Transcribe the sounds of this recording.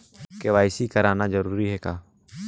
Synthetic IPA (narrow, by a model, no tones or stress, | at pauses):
kɛwajsikəɾanad͡ʒəɾuɾiɦɛka